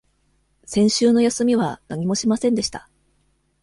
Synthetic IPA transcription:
sẽ̞ɰ̃ɕɨːno̞jasɨmʲiβ̞anaɲ̟imo̞ɕimasẽ̞nd̪e̞ɕi̥t̪a

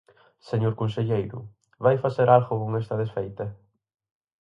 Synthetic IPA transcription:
seɲoɾkonseʎejɾʊ̰ | βajfaseɾalɣʊkoŋɛst̪ɐðesfejt̪ɐ

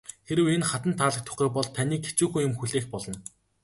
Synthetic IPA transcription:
xeɾɘ̆wenχat̪ə̆nt̪ʰaːɮə̆k̚t̪ʰʊ̥χiːpɔɮt̪ʰaniːke̥t͡ɕuːxuːjʊmxuɮeːxpɔɮɞ̆n

